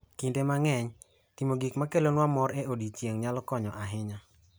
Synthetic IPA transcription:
kindemaŋɛɲ | timoɡikmakelonwamɔɾeodit͡ʃjeŋɲalɔkɔɲɔʔaɦɪɲa

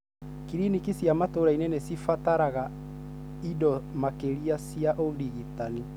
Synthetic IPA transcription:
kiɾinikisjamatoɾainɛnɛsifataɾaɣa | idɔmakeɾiasiaʔodiɣitani

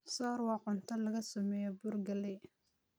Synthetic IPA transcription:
sɔːɾwɑːqʊnt̪ʰɐlɐɣɐsɐmɛːjɔbʊrɡɐlɛ

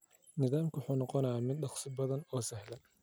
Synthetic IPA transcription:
nɪðaːmkʰwʊħuːnɑqɔnɐjaːmɪd̪̚ɗɑχsɪbɐðɐnɔːsɛɦlɛ

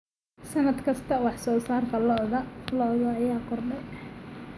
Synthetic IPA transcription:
sɐnɐd̪kʰɐst̪ʰɐwɑħsɔːsaːrt̪ʰɐlɔðɐlɔɣɐːjaːqɔrɖɐ

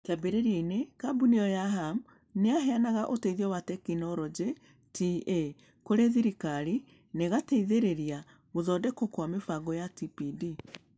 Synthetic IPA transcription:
tabeɾeɾeinekabuniɔjaɦam | neaɦɛanaɣaʔoteiðiɔwatɛkinɔɾɔd͡ʒe | tie | koɾeðiɾikaɾi | neɣateiðeɾeɾia | ɣoðɔdɛkokwamefaɡɔjatipidi

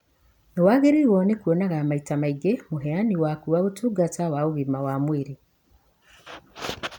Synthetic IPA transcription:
newaɣeɾiwɔnekuɔnaɣaːmaitamaiɡemoɦɛaniwakuwaɣotuɡatawaoβimawamweɾe

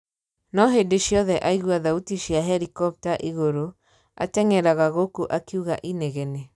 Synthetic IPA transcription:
nɔɦedeʃjɔðɛʔaiɣwaðautiʃjaɦɛɾikɔp̚taʔiɣoɾo | a̰tɛŋɛɾaɣaɣokuʔakiuɣaʔineɣɛne

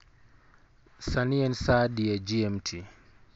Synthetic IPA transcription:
saniɛnsaːdiɛd͡ʒiɛmtʰi

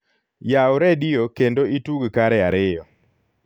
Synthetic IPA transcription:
jaʊɾɛdɪjokendoituɡkaɾɛaɾɪjɔ

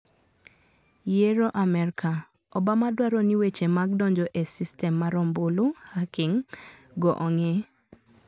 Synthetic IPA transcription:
jeɾoʔamɛɾkʰa | ɔbamadwaɾɔniwet͡ʃemaɡdɔɲd͡ʒɔʔesistɛmːaɾɔmbolohakɪŋ | ɡɔʔɔŋe

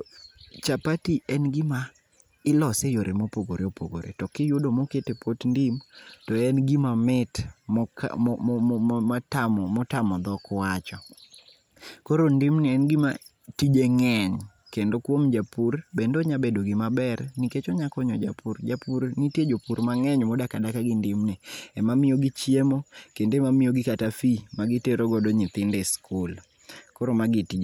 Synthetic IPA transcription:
t͡ʃapatiʔɛnɡɪma | ɪlɔsejoɾemopoɡoɾeopo̰ɡo̰ɾḛtɔkɪjodomoketepʰotndimtɔɛnɡimamɪtm̰ | mataɔmɔtamɔd̪ɔkwat͡ʃɔ | koɾondimnɪɛnɡima̰ | tid͡ʒeŋɛɲ | kendokwomd͡ʒapurbendoɲabedoɡɪmabɛrniket͡ʃoɲakɔɲɔd͡ʒa̰pʰurd͡ʒapuɾnitjed͡ʒopuɾmaŋɛɲmɔdakadakaɡɪndɪmnɛɛmamɪjoɡit͡ʃjemokendoɛmamɪjoɡɪkatafimaɡɪteɾoɡɔdoɲɪt̪ɪndɛskʰʊl | koɾomaɡɪtid͡ʒ

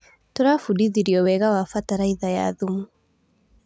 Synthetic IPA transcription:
tɔɾafuɗiðiɾiɔwɛɣawafataɾaiðaja̰ðumu

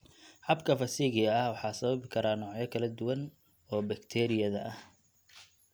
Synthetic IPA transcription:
ħɑbkʰɐfɐsiːɣɪɐɐhwɑħɑːsɐβɐβɪkʰɐɾaːnɔːʕjɛkʰɐlɐd̪ʊwɐn | ɔːbɐkt̪ʰɛːɾɪjɐðɐʔɐh

